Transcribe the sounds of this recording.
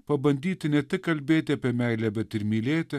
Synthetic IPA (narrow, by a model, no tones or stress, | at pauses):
pɐbɐnʲd̪ʲiːt̪ʲɪnʲɛt̪ʲɪkkːɐlʲbʲeːt̪ʲɪɐpʲiɛmʲæɪlʲɛbʲɛt̪ɪɾmʲiːlʲeːt̪ʲɪ